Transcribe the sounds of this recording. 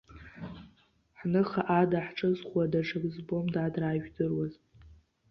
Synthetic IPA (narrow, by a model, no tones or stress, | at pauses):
ħnɨχaʔadaħʈ͡ʂʼɨzχʷwadaʂʰaɡzbomdadraːʒᶣdɨrwaz